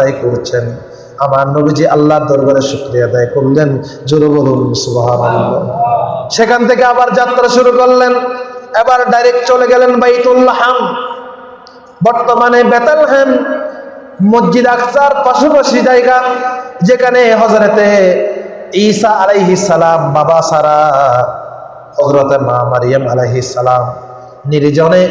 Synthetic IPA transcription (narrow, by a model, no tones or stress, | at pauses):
ajkoɾt͡ʃʰen | amaɾnobid͡ʑiʔalːaɾd̪ɔɾɡaɾeʃukɾijad̪ajkoɾlen | zuɾobolulmsubɦanalːɔ̰ʃekʰant̪ʰekeabaɾd͡ʒat̪ːɾaʃuɾukɔɾlenɛbaɾɖajɾek̚ʈt͡ɕoleɡɛlenbajt̪ulːaħam | bɔɾt̪omanebɛt̪elɦɛn | mod͡ʒːid̪aksaɾpaʃopaʃid͡ʒajɡad͡ʑekʰaneɦɔzɾɔt̪e | iːsaʔalejɦisːɐlambabasaɾa | hɔzɾot̪ema̰mɐɾijamɐlejɦisːɐlam | niɾd͡ʒɔne